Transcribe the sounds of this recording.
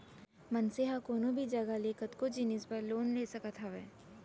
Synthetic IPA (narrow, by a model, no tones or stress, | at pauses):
mɐnseɦakoːnõbʱid͡ʒɐɡaleːkət̪kod͡ʒɪnɪspəɾloːnleːsɐkət̪ɦaʋɛː